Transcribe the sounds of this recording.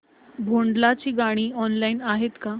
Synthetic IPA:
bʱoɳɖlat͡ɕiːɡaɽ̃iːɔnlainaɦet̪ka

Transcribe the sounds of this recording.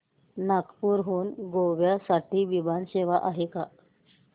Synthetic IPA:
nakpuːɾɦuːnɡoʋjasaʈʰiːʋibanɕeʋaʔaɦeka

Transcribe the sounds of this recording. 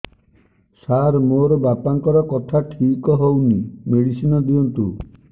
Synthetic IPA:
saɾmoɾɔbapaŋkɔɾɔkɔt̪ʰaʈʰikɔɦownimeɽisinɔd̪iɔnt̪ṵ

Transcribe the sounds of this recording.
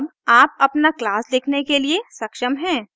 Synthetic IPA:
baːp̚ɐpnaklaːslɪkʰnekeliesɐkʃəmɦɛ̃ː

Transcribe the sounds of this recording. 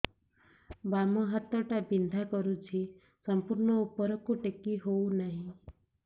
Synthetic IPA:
bamɔɦət̪ːəʈabind̪ʱakɔɾut͡ʃʰi | səmpuɾɳɔupːəɾɔkuʈekːiɦounaɦĩ

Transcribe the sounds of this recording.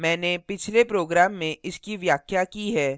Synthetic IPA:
mɛ̃ːnepɪt͡ʃʰlepɾoːɡɾaːmːẽɪskiʋjaːkʰjakiɦɛː

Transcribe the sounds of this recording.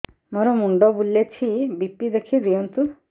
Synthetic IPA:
mɔɾɔmuɳɖɔbulet͡ʃʰibipːid̪ekʰid̪iɔnt̪u

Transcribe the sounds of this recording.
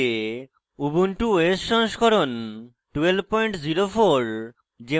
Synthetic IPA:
e | ubunʈuesːɔŋskɔɾon | ʈuelbpɔjɳʈziɾofoɾ | d͡ʑe

